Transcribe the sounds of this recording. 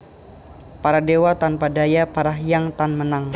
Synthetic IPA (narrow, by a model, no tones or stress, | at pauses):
paɾadewat̪anpadajapaɾaɦjaŋt̪anmənaŋ